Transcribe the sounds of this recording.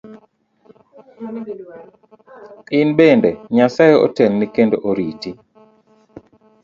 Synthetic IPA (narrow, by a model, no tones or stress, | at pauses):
ɪnbendeɲasajeɔ̰tɛlːikendoʔoɾiti